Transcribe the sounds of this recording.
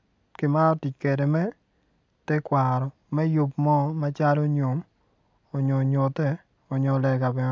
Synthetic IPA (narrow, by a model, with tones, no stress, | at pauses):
ki˨ma˦ɾɔ˦ti˨t͡ʃke˨de˨mɛ˦ | tɛ˦kwa˨ɾɔ˨ | mɛ˦jʊ˦pmɔ˦ma˦t͡ʃa˦lo˦ɲo˨m | ɔ˨ɲo˨ɲo˨tɛ˦ | ɔ˨ɲɔ˨lɛ˨ɡa˨bɛ˨n